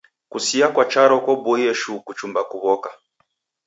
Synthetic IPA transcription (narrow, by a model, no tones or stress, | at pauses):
kusiakwat͡ʃaɾɔkwɔbɔjɛʃukut͡ʃumbakuβɔka